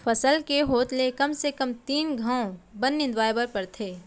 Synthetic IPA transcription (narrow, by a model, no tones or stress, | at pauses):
fʰɐsəlkeɦoːt̪lekɐmsekəmt̪iːnɡʱãːõbɐnːɪ̃nd̪ʋaːjbəɾpɐɾt̪ʰeː